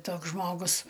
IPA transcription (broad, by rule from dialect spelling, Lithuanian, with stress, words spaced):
ˈtoːks ˈʒmoːɡʊs